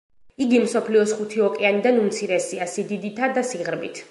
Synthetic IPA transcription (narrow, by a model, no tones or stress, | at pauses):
iɡimsɔpʰliɔsχut̪ʰiɔkʼianid̪anumt̪sʰiɾɛsiasid̪id̪it̪ʰad̪asiʁɾbḭt̪ʰ